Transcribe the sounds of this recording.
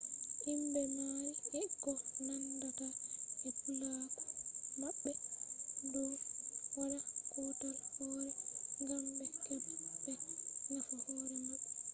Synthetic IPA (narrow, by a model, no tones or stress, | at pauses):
ʔimbɛmajiɛkːɔnandataɛkulakɔ̥maɓːɛ | dɔwwalakɔtaɾhɔɾɛŋɡambɛkɛbːɛŋafahɔːɾɛnoɗu